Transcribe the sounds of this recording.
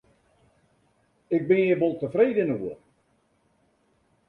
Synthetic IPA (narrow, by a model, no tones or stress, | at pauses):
ɪk̚bɪnibolˠtəfreːdənəuə